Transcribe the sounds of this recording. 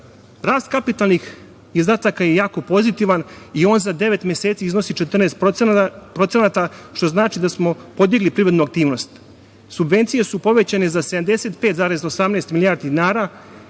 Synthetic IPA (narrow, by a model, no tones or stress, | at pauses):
ɾaːst̪̚kapit̪alˠnix | izd̪aːt̪akajejaːko̞po̞zit̪iʋan | io̞ːnzad̪e̞ʋe̞t̪mjeseːt̪siizno̞sit͡ʃe̞t̪r̩neːst̪ | pɾo̞t̪senat̪aʃt̪o̞znaːt͡ʃid̪asmo̞po̞d̪jeɡlipɾiɾe̞d̪nuak̚t̪iːʋno̞st̪ | subʋe̞nt̪sije̞supo̞ʋe̞t͡ɕane̞zased̪amd̪e̞set̪pe̞ːt̪zaːɾe̞zaosamneːst̪milijaːɾd̪id̪inaːɾa